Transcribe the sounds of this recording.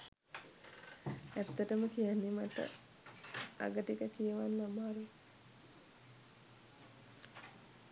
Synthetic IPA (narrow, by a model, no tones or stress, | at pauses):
æt̪ːəʈəməkijanːimaʈə̰ | a̰ɡəʈikəkijəʋanːaməaɾu